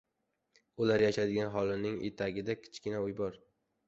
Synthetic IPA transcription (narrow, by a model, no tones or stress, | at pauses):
ʊlaɾjaʃad̪ɪɡʲanɦɒlˠɪnɪŋʔḛt̪ʰaɡʲɪd̪akʲʰɪ̥t͡ʃkʲɪnaʊjbɒɾ